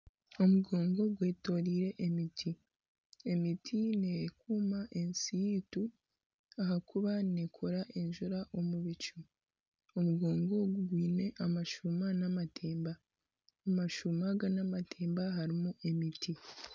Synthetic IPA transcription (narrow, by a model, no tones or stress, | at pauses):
o̞muɡo̞ːŋɡo̞ɡwe̞ːto̞ɾiɾe̞ʔemitʰi | e̞mitʰinekuːmaʔe̞nsiitu | aɦakuβanekʰoɾaʔe̞ɲʒuɾaʔo̞muβit͡ʃu | omuɡo̞ːŋɡo̞ɡuɡwiːne̞ʔamaʃumanamatʰeːmbaː | maʃumaɡanamatʰe̞ːmbaɦaɾimuʔe̞mitʰi